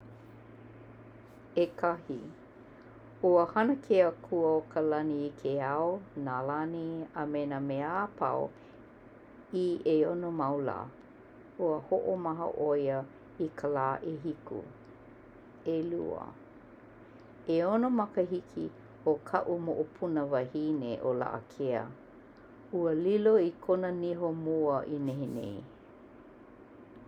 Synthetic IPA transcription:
ekʰɐhi | uəhɐnəkʰeəkʰuəokʰəlɐniːkʰeawonalaniəmenəmeapʰɐ̰w | ieonomɐwla̰ | uəhoʔomɐɦə̰ʔojə | ikʰəlaːʔeɦikṵ | elṵə̰ | eonomɐkəɦikʰi | okʰɐ̰ʔumoʔopʰunəvɐhineʔola̰ʔə̰kʰeə̰ | uəliloikʰonəniɦomuəʔineɦenḛj

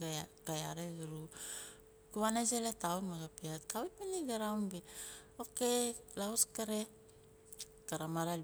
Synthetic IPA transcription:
ɡ̥ajaɾeɡɾu | kuanes̬eletaunmaɡapiatkawimeniɡaɾawnbe | okelauskaɾe | kaɾamaɾa

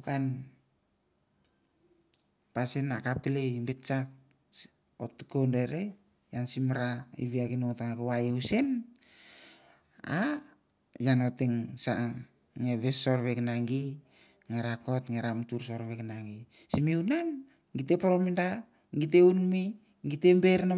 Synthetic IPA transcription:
ukan | pasenakapilembet͡ʃak̚ | otukondeɾe | jansimɾaḭβiakinoŋtaŋakowajeusen | a | janoteŋsa | ŋeβesoɾβeknaŋɡi | ŋeɾakotŋeɾamtuɾso̞ɾβeknaɡisimiunan | ɡit̬e̞poɾominda | ɡiteunmi | ɡitembeɾna

